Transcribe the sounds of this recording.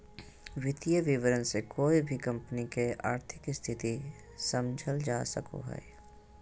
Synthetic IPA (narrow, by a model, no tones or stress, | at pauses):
ʋɪt̪ijəʋɪʋəɾənsekoːibʱikɐ̃mpnikea̰ːɾt̪ʰɪkɪst̪ʰɪt̪i | sɐ̃md͡ʒʱəld͡ʒaːsəko̰ɦɛ̰e